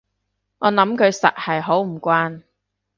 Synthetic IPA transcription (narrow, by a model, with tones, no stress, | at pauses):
ŋɔː˨˧nɐ˨˥mkʰɵ˨˧ɥsɐ̰˨t̚hɐ˨jɦo˨˥wm̩˨˩kʷaː˥n